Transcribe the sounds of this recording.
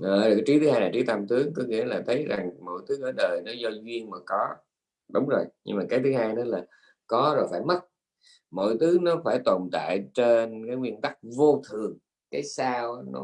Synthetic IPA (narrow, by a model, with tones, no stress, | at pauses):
ʔəː˨˩ɨ˨˩ka˨˦jt͡ɕi˨˦˥t̪ʰɨ˨˦haː˧jlaː˨˩t͡ɕi˨˦˥t̪a˧mt̪ɨ˨˦əŋkɔ˨˦ŋḭ˧˥əlaː˨˩t̪ʰə˨˦jza˨˩ŋmo̰˧˨jt̪ʰɨ˨˦ʔəː˧˩ɗəː˨˩jnɔ˨˦zɔ˧zwi˧əŋmaː˨˩kɔ˨˦ | ɗʊ˨˦wŋ͡mzo˨˩jɲɨ̰˧ŋmaː˨˩kaː˨˦t̪ʰɨ˨˦haː˧jnɔ˨˦laː˨˩ | kɔ˨˦zo˨˩jfaː˧˩jmə˦˥t̚ | mo̰˧˨jt̪ʰɨ˨˦nɔ˨˦faː˧˩jt̪o˨˩nt̪a̰ː˧˨jt͡ɕe˧nkaː˨˦jŋwi˧ənt̪a˦˥k̚vo˧t̪ʰɨ˨˩əŋ | kaː˨˦jsaː˧wʔaː˨˦nɔ̰˨˦